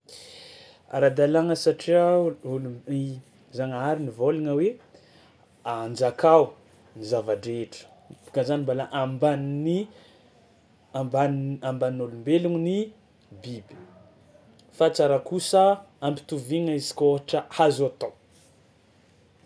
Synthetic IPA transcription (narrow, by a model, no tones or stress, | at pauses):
a̰ɾad̪alaŋəsaʈ͡ʂiaului | zaŋaɾinivolaŋəwe | and͡ʒakaw | nizavaɖ͡ʐeʈ͡ʂə̥ | pi̥kazanimbalaʔambanni | abanambaninulumbeluŋni | bibi̥ | fat͡saɾakusə | ampi̥t̪uviŋəizi̥koɦaʈ͡ʂəhazuat̪aw